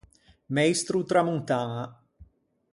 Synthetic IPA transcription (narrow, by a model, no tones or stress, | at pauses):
majst̪ɾut̪ɾamunt̪aːna